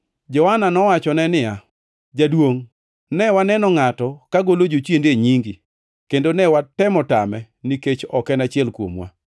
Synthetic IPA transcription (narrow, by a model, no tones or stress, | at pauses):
d͡ʒɔhananɔwat͡ʃɔnɛnɪja | d͡ʒadwoŋ | nɛwanɛnɔŋatɔkaɡolod͡ʒot͡ʃjendeɲiŋɡi | kendonɛwatɛmɔtamɛ | niket͡ʃɔkɛnat͡ʃɪɛlkwo̰mwa̰